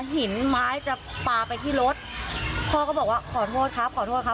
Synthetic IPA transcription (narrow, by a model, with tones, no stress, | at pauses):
ɦi˨˩˦nmaː˦˥jt͡ɕa˨˩paː˧˩pa˧jt̪ʰiː˥˩ɾo˦˥t̪̚pʰɔː˧kɔː˥˩bɔː˨˩k̚waː˥˩kʰɔː˨˩˦t̪ʰoː˥˩t̪̚kʰa˦˥p̚kʰɔː˨˩t̪ʰoː˥˩t̪̚kʰa˦˥